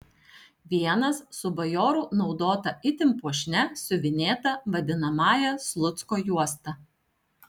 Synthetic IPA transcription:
ʋʲiɛnɐssʊbɐjoːɾunɒʊd̪oːt̪ɐɪt̪ʲɪmpuɔʃʲnʲɛsʊʋʲɪnʲeːt̪ɐʋɐd̪ʲɪnɐmɑːjɛslˠʊt̪skoːjuɔst̪ɐ

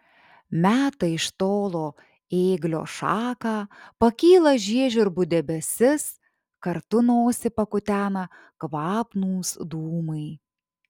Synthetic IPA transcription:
mʲæːt̪ɐɪɪʃt̪oːlˠoː | eːɡlʲo̰ːʃɑːkɑːpɐkʲiːlˠɐʒʲiɛʒʲʊɾbʊd̪ʲɛbʲɛsʲɪs | kɐɾt̪ʊnoːsʲɪpɐkʊt̪ʲæːnɐ | kʋɑːpnuːsd̪uːmɐɪ

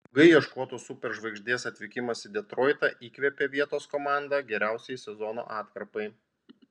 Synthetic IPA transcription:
ɡɐɪjɛʃkoːt̪oːsupʲɛɾʒʋɐɪɡʒʲd̪ʲeːsɐt̪ʲʋʲɪkʲɪmɐsɪd̪ʲɛt̪ɾɔːɪt̪ɑʔiːkʋʲɛpʲeʋʲiɛt̪oːskomɑˑnd̪ɑɡʲɛɾʲæˑʊsʲɛjsʲɛzɔno̰ːʔɑːt̪kɾɐpɐɪ

